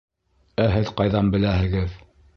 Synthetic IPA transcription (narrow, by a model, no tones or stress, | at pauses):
æɦɘðqɑjðɑmbɘ̆læhɘ̆ɡɘð